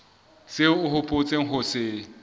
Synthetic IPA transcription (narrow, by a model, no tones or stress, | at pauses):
t͡sʼɪʊhʊpʼʊt͡sʼeŋ̩ɦʊsɪ